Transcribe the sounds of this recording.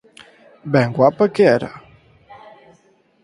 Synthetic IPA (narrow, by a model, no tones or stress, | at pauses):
bɛŋɡwapəkɛɾa̰